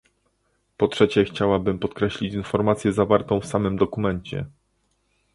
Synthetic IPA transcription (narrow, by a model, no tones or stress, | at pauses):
pɔtʂɛt͡ɕɛxt͡ɕawabɘmpɔt̪kɾɛɕlʲit͡ɕinfɔɾmat̪sʲjɛzavaɾt̪ɔ̃w̃fsamɘmd̪ɔkumɛɲt͡ɕɛ̰